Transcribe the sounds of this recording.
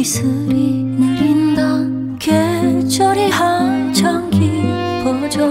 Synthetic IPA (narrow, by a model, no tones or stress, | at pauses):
isʰɯɾi | nɯɾind̪a | ket͡ɕʌɾiɦat͡ɕʰʌŋkʰi | kʌd͡ʑʌ